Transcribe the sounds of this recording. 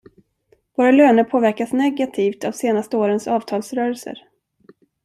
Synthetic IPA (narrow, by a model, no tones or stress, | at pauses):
voːɾaløːnəɾpʰoːvæɾkasnɛɡat̪ʰiːft̪avseːnast̪əoːɾənsɑːv̥t̪ʰɑːlsɾœːɾɛlsə̰ɾ